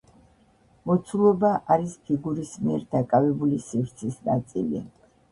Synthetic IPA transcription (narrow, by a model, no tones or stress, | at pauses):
mɔt̪sʰulˠɔbaʔaɾispʰiɡuɾismiɛɾd̪akʼavɛbulisivɾt̪sʰisnat̪sʼilḭ